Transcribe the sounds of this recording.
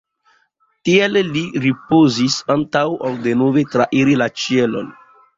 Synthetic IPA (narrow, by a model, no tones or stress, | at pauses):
tielːiɾipozisantawaldenovetɾaʔiɾilat͡ʃielo̰n